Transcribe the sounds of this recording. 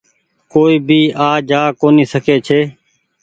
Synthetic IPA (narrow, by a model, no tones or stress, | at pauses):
koːiːbʱiːʔaːd͡ʒaːkoːniːsəkeːt͡ʃʰeː